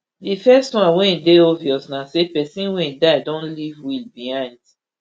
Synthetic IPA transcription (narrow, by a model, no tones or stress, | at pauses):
difɛstwãnwɛ̃deɔviɔsnasepɛsĩnwɛ̃daɪdõnlivwilbihãɪ̃nd